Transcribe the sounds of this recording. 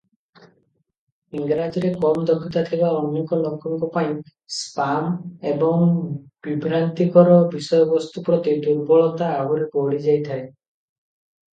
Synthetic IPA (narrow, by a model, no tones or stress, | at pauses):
iŋɡɾad͡ʒiɾekɔmd̪ɔkʰːit̪at̪ʰibaɔnːjɔŋkɔlɔkʰɔŋkɔpaĩ | spamebɔŋb̥ibʱɾant̪ikɔɾɔbisɔjɔbɔst̪upɾɔt̪ed̪uɾbɔɭɔt̪aːbɔɾepoɽid͡ʒajt̪ʰae